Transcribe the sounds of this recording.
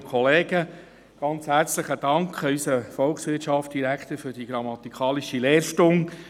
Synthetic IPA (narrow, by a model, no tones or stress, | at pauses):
kʰɔleːɡ̥ə | ɡ̥ɑnt͡shæɾt͡sləχəd̥ɑŋkʰχysəfɔlχsʋɪtʃɑftd̥iɾækt̪əɾfɵɾd̥iɡ̥ɾɑmɑt̪ikʰɑːliʃilɛːɾʃtʊŋ